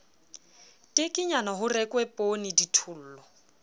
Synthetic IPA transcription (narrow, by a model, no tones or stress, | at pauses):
tʼɪkʼɪɲanaɦʊrɛkʼwɛpʼonɪditʰʊl̩ːlɔ